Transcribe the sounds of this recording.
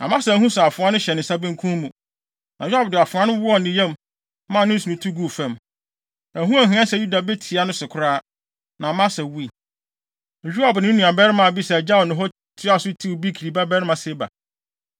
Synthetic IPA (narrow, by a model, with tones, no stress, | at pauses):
nã̰˨mã˦sɛ˨˦ɦũ˦sɛ˨a˨fʊ̃˨˦a˦nʊ̃˦ɕɛ˨nɪ̃˨sa˦bĩ˦ŋ̩˦kʰũ˦mũ˨ | nã˨jᶣa˦bdɪ˨a˨fʊ̃˨ã˦nʊ̃˦wʊ˦ɔ˦˨n˨nɪ̃˨jɛ̃˦m | mã˦˨nɪ̃˦n̩˦su˨nũ˨tʰu˦ɡu˦˨fɛ̃˦˨m | æ̃˨ɦũ˦a˨ɦɪ̃˨˦ã˦sɛ˨ju˦da˨be˦tʰi˨a˨˦nʊ̃˦sʊ˨kʰʊ˨ɾaː˦ | nã˨mã˦sɛ˨wu˦i˨ | d͡ʑᶣa˨bnɪ̃˦nũ˨a˨bɛ˦ɾɪ˦mã˨bi˦sɛ˨d͡ʑa˦ɔ˨nʊ̃˨ɦɔ˦ | tʰɪ˦a˦˨sʊ˦tʰi˦wbi˦kʰi˨ɾi˨ba˦bɛ˦ɾɪ˦mã˨se˦ba̰˨